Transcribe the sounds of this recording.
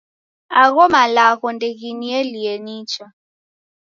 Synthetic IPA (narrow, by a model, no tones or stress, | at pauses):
aɣɔmalaɣɔndeɣinielijeniːt͡ʃʰa